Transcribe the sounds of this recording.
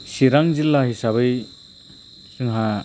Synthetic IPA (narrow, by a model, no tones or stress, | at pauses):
siɾaŋzilːaɦisabɯj | sɯŋɦa